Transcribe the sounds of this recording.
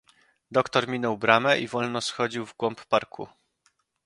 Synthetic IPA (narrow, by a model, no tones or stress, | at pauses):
d̪ɔkt̪ɔɾmʲinɔwbɾamɛʔivɔlnɔsxɔd͡ʑiwvɡwɔmppaɾkʰṵ